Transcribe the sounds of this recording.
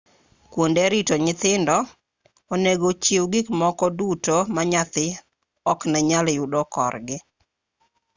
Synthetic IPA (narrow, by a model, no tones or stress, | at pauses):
kwondeɾɪtoɲɪt̪ɪndɔ | oneɡot͡ʃewɡikmɔkɔdutomaɲat̪ɪ | ɔknaɲaljʊdɔkɔ̰rɡɪ